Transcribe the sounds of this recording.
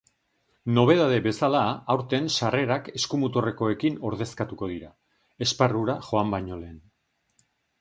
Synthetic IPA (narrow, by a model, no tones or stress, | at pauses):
no̞β̞e̞ðað̞e̞βe̞salaːwɾt̪e̞nsare̞ɾake̞skumut̪ore̞ko̞e̞kino̞ɾð̞e̞skat̪uko̞ð̞iɾa | e̞sparuɾaxo̞ambajɲo̞le̞ːn